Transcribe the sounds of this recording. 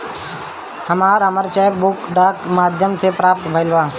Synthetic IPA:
həmaːɾəməɾt͡ʃɛːjək̚bʊkɖaːkmaːd̪ʱjəmsepɾaːp̚t̪bʱəɪlʋaː

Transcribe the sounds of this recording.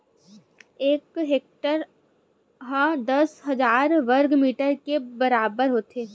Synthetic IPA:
eːkɦeːk̚ʈəɾ | ɦad̪ɐsɦɐzaːɾʋəɾɡmiːʈəɾkebɐɾaːbəɾɦoːt̪eː

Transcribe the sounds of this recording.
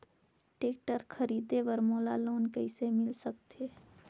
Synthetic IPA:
ʈeːk̚ʈəɾkʰəɾiːd̪eʋəɾmoːlaloːnkəɪsemɪlsəkt̪e

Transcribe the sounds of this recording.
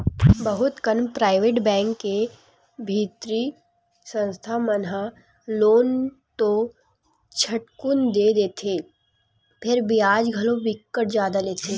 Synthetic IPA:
bɐɦʊt̪kənpɾaːɪʋeːʈbɛ̃ːŋkːe | bʱiːt̪ɾi | sə̃nst̪ʰamənɦa | loːn | t̪o | t͡ʃʰɐʈkʊnd̪eːd̪eːt̪ʰeː | pʰɪɾbʱiaːd͡ʒɡʱɐlõʋɪkːəʈ̚zjaːd̪aleːt̪ʰeː

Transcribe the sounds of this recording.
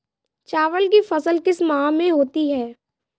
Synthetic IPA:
t͡ʃaːʋəlkifɐsəlkɪsmãmẽɦoːt̪iɦɛː

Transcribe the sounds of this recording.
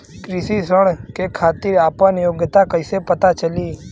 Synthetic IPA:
kɾɪsisəɳkekʰaːt̪iːɾaːpʋãnjoːɡjt̪akəisepət̪at͡ʃəliː

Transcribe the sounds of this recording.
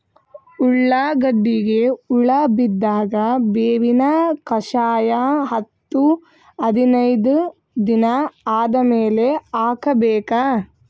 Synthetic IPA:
uɭːaɡɐɖːiɡe̞uɭɐbid̪ːaːɡɐbeːʋinɐkɐʃaːjaɦɐt̪ːu | ɐd̪inɐjd̪u | d̪inɐaːd̪ɐmeːle̞aːkɐbeːka

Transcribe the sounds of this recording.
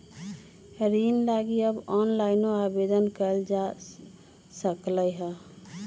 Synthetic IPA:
ɾinlaɡiəbɔːnlaːɪnoabed̪ənkəld͡ʒa | səkləɦɛ

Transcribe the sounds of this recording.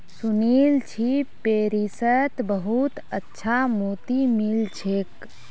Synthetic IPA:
sunilt͡ʃʰipeɾisət̪bəɦut̪ətːʃʰamot̪imilt͡ʃʰek

